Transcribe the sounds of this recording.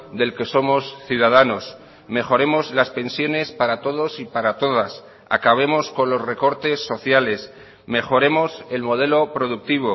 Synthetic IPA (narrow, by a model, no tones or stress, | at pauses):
d̪e̞lke̞so̞mo̞sθjuðað̞ano̞s | me̞xo̞ɾe̞mo̞zlaspe̞nsjo̞ne̞spaɾat̪o̞ð̞o̞sipaɾat̪o̞ð̞as | a̰kaβ̞e̞mo̞sko̞nlo̞sre̞ko̞ɾt̪e̞sːo̞θjale̞s | me̞xo̞ɾe̞mo̞se̞lmo̞ð̞e̞lo̞pɾo̞ðuk̚t̪iβ̞o̞